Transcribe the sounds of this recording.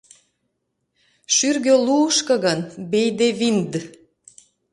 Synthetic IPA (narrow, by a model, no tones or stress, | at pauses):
ʃyrɣøluːʃkɤ̆ɣənbejd̪eβind̪